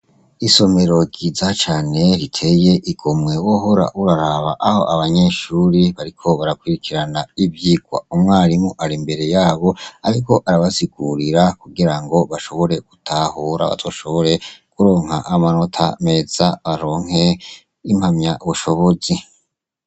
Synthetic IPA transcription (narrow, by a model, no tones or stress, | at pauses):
iso̞me̞ɾo̞ɡizat͡ʃaːne̞ɾitʰe̞je̞ʔiɡ̥omŋe̞woɦo̞ɾa̰ʔuɾaɾaβa̰ʔaho̞̰ʔaβaɲe̞ːʃuːɾiβaɾikʰo̞βaɾakwiɾikʰiɾanaibjiːɡwa̰umŋaːɾimuʔaɾimbe̞ɾe̞jaːβo̞aɾiko̞ʔaɾaβaziɡuɾiɾakuɡiɾaŋɡo̞βaʃo̞βo̞ɾe̞ɡ̥utʰahuːɾa̰βa̰toʃo̞βo̞ɾe̞kuɾo̞ːŋ̥ha̰ʔamano̞tʰa̰me̞ːzaβaɾo̞ːŋ̥ɦe̞ | imhamɲaβuʃo̞βo̞zi